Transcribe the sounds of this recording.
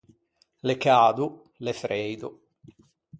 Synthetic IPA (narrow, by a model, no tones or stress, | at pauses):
lekaːd̪u | lefɾejd̪u